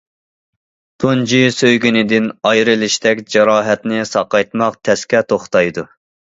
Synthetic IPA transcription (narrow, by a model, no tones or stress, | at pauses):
d̪̥ond͡ʒisøjɡʲynɪd̪ɪnɑjɾɪlɪʃt̪ɛkʲd͡ʒɑɾɑːɦɛt̪nɪsɑqɑjt̪mɑqt̪ʰɛskʲɛt̪ʰoχt̪ɑjd̪u